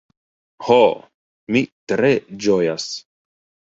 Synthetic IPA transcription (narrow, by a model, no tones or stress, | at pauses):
ho | mit̪ɾed͡ʒojas